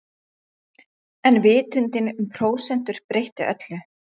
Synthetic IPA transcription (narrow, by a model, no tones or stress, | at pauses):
ɛnvɪːt̪ʏnt̪ɪnʏmpʰɾoːwsɛn̥t̪ʏɾ̥pɾejht̪ɪʔœ̰t̪lʏ